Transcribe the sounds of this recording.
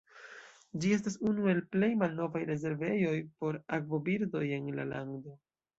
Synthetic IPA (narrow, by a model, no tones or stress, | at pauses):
d͡ʒie̞s̬tasunue̞lple̞jmalno̞vajɾe̞ze̞ɾve̞jo̞jpo̞ɾakvo̞biɾdo̞je̞nla̰la̰ŋɡdo̞